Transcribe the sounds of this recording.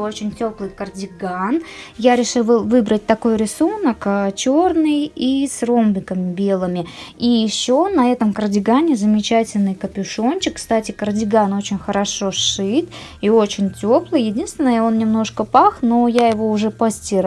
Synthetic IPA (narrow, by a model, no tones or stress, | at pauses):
ot͡ɕɪnʲtʲo̞plˠɨjkərdʲɪɡanjaɾʲɪʂɨlˠvɨlˠvɨbɾət̚ʲt̪ɐko̞jɾʲɪsunəkːt͡ɕo̞rnɨjisrombʲɪkəmʲɪbʲe̞lˠɨmʲɪijɪɕːonɐɛt̪əmkərdʲɪɡanʲɪzəmʲɪt͡ɕætʲɪlʲnɨjkəpʲɪʂo̞nt͡ɕɪkːst̪atʲɪkərdʲɪɡano̞t͡ɕɪnʲxəɾɐʂo̞ʂɨt̪ | io̞t͡ɕɪnʲtʲoplˠɨjjɪdʲinst̪vʲɪnːəjəo̞nnʲɪmno̞ʂkəpaxno̞jajɪvo̞ʊʐɛpɐsʲtʲiɾ